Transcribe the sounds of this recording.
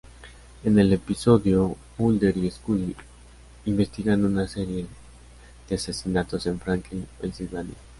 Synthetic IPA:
e̞ne̞le̞piso̞ðjo̞ | muld̪eɾieskuli | imbe̞st̪iɣand̪unase̞ɾje̞ | ðease̞sinat̪o̞se̞ɱfɾaŋklinensilβani

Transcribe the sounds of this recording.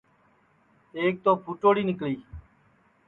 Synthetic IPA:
eːk̚t̪oːpʰuːʈoːɽiːnɪkliː

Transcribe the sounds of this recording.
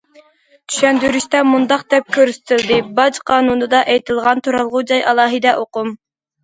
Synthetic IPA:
t̪ʰy̥ʃɛnd̪yɾyʃt̪ɛmund̪ɑq̚d̪ɛp̚kʲʰøɾsɪ̥t̪ʰɪld̪ɪbɑd͡ʒqʰɑːnunɨd̪ɑʔɛjt̪ʰɨlˠʁɑnt̪ʰuɾɑlˠʁʊd͡ʒɑjʔɑlˠɑːɦɨd̪ɛʔoqum

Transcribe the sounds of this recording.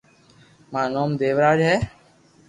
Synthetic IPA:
mãːnoːmd̪eːʋɾaːd͡ʒɦɛː

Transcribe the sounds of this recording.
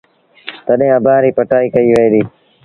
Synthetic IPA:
t̪əɗẽːəbãːɾiːpəʈaːiːkəiːʋəeːd̪iː

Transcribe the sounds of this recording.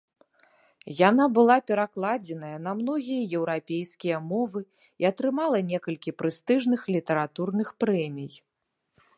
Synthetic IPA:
janabɨlˠapʲɛɾaklˠad͡zʲɛnɐjɐnɐmnɔɣʲijɐjɛwɾapʲejskʲijɐmɔvɨ | iɐt̪ɾɨmalˠɐnʲɛkɐlʲkʲipɾɨst̪ɨʐnɨxlʲit̪ɛɾat̪urnɨxpɾɛmʲij

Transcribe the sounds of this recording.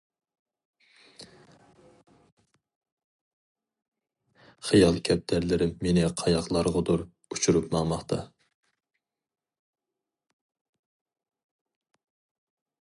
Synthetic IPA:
χijɑlˠkʲʰɛp̚d̪̥æɾlɪɾɪmːenɪqʰɑjɑqlˠɑɾʁʊd̪uɾ | ut͡ʃʰuɾupmɑmɑχt̪ʰɑ

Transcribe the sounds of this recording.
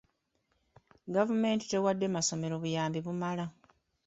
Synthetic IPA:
ɡavume̞ːnti̥te̞wadːe̞maso̞me̞ɾo̞βujaːmbiβumala

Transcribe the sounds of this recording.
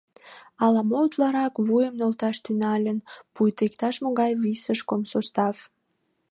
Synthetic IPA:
ɑlɑmout̪lɑɾɑkβujəmnolt̪ɑʃt̪ynɑlʲənpujt̪ekt̪ɑʃmoɣɑjβisəʃkomsost̪ɑv

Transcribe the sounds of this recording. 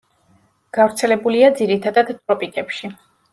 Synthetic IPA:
ɡ̥avɾt̪sʰɛlɛbuliad̪ziɾit̪ʰad̪ad̪t̪ʼɾɔpʼikʼɛpʃi

